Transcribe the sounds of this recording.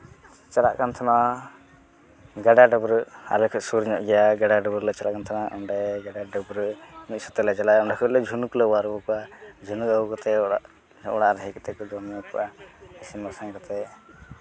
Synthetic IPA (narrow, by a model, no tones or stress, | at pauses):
t͡ʃaɾa̰ʔkant̪ʰana | ɡaɖaɖəbɾəa̰ɾlɛkʰɔʔsuɾɲɔʔɡɛjaɡaɖaɖəbɾlat͡ʃaɾaʔkant̪ʰanaʔɔɳɖɛʔɡaɖaɖəbɾəmit̪̚sut̪ɛlɛd͡ʒalaɔɳɖakʰɔlɛd͡ʒʱunukulawaɾwɔkɔʔad͡ʒʱunuəwkɔt̪ɛɔaʔ | ʔɔɽaɾɦɛkɔt̪ɛkɔd̪ɔnɔkɔ̰ʔaɛsimasaŋkɔt̪ɛ